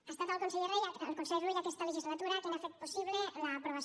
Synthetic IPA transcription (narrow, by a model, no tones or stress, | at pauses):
ast̪at̪oalˠkonseʎereja̰lkonseʎrejakɛst̪aleʒizlat̪uɾak̪enafet̪̚posiβlelaːpɾoβas